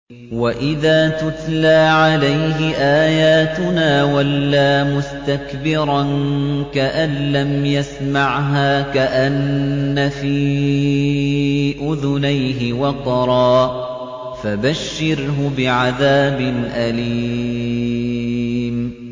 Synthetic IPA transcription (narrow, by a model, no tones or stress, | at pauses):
waʔɪðaːt̪ʊt̪laːʕalajɦɪʔaːjaːt̪ʊnaːwalːaːmʊst̪akbɪɾˤɑnkaʔanlːamjasmaʕɦaːkaʔanːafiː | ʔʊðʊnajɦɪwɑqɑɾˤɑː | fabaʃːɪɾɦʊbɪʕaðaːbɪnʔaliː | m